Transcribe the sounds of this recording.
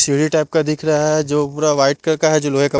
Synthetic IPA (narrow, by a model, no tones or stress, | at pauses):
siɽiʈaːp̚kad̪ɪkʰɾɐɦaɦɛd͡ʒoːpuːɾaʋaːɪʈ̚kɐkaɦɛd͡ʒoːloːɦekɐ